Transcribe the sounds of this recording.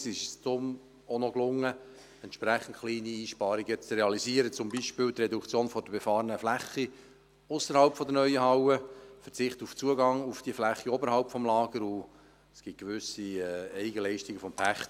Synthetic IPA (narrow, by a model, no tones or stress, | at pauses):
sɪʃst̪ʊm | ɔnɔklʊŋːə | ɛntʃpɾæχən̩tχliːniiːʃpɑːɾiɡət͡sreɑliziəɾət͡sʊmbiʃpɪːlt̪rɛdukt͡sjoːnfɔd̥əb̥ɛfɑːɾənəflæχːi | ʊsəɾhɑlpfɔd̪ənœʏəhɑwəfəɾt͡sɪχtuft͡suəɡɑŋufd̥iəflæχːiɔbəɾhɑlpfɔmlɑːɡ̥əɾu | sɡ̥ɪt̚ɡ̥eʋʏsiɛɛɪɡəlɛɪʃtiɡəfɔmpʰæχt